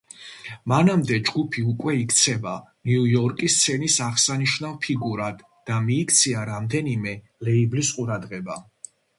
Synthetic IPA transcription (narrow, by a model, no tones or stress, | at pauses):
manamd̪ɛd͡ʒɡupʰiukʼwɛikʰt̪sʰɛbaniujɔɾkʼist̪sʰɛnisaʁsaniʃnavpʰiɡuɾad̪ːamiːkʰt̪sʰiaɾamd̪ɛnimɛ | lɛiblisqʼuɾad̪ʁɛba